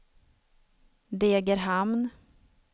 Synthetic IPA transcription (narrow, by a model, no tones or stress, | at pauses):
d̪eːɡəɾɦamn